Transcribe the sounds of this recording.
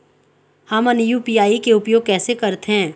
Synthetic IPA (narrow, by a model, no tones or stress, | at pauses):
hɐmɐnjuːpiːaːikeʊpjoːɡ̚kɛːsekɐɾt̪eɦɛ̃ː